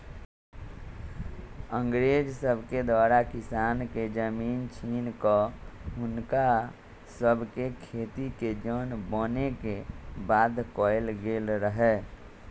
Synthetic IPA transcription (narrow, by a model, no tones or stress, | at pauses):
ə̃ŋɡɾeːd͡ʒsəbʱked̪waːɾakɪsaːnked͡ʒəmiːnt͡ʃʰiːnkɔʊnka | səbʱkekʰeːt̪iked͡ʒəːnbɔːnekebaːd̪kɔːɪlɡeːlɾəɦɛː